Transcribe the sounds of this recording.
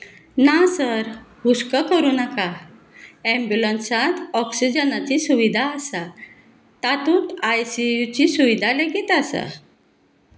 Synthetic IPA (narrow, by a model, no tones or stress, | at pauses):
nasəɾhuskəkəɾuːnaka | ɛ̃mbjulənsãt̪ɔksid͡ʑənat͡ɕisuʋid̪ʱaəsa | t̪at̪uːt̪ajsijut͡ɕisuʋid̪ʱaləɡiːt̪asa̰